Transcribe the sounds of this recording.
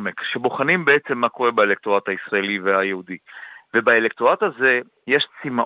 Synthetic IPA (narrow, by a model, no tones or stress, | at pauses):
mekʃeboχanimbeet͡se̞mːako̞ʁebaelek̚t̪oat̪aisʁaeliveajehudivebaelekt̪ʁoat̪haze̞ | jeʃt͡sima